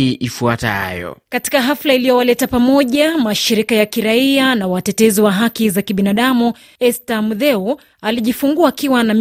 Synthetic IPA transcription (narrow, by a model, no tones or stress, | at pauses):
iʔifuata̰jɔ̰kati̥kaɦaflailijɔwalɛtapamɔʄamaʃiɾikajakiɾaianawatɛtɛziwaɦakizakiɓinaɗamu | ɛstamuðɛu | aliʄifuŋɡuaːkiwanam